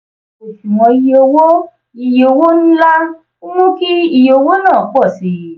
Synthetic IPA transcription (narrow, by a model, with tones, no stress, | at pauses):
o˨ʃu˨mɔ̃˧i˨˧jo˧wo˦ | i˨jo˨˧˨wo˦ñ̩˦la˦ | u˦mũ˦ki˦i˦˨jo˧˦wo˦nãː˦˨˦k͡pɔ˦˨si˨˦